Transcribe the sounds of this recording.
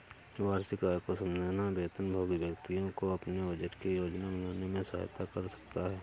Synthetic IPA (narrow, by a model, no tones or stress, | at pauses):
ʋaːɾsɪkaːjkosə̃md̪ʱnabeːt̪ənbʱoːɡʋjəkt̪ijõkoɐpneʋəd͡ʒəɾkejoːd͡ʒnabɐnaːnemẽsa̰jt̪akəɾsɐ̥k̚t̪aɦɛː